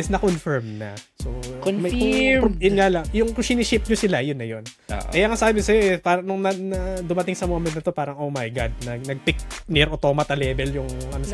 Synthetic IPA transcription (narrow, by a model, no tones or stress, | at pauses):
ɪsnɐkonfɛɹmnɐsokmɐjkʊŋjʊnŋalɐŋjʊŋkʊʃinɪʃɪp̚ɲosɪlajʊnːɐjon̰kɐjaŋasɐaːbɪsɐjoʔɛpaːɾɐŋnʊŋnɐnɐd̪ʊmɐt̪ɪŋsɐmoːmɛ̃nt̪ɐt̪o̞paːɾɐŋʔowmɐjɡad̪̚nɐɡ̚nɐɡ̚pɪk̚nɪɾot̪o̞ːmɐt̪ɐlɛːbɛljʊŋʔɐ̰no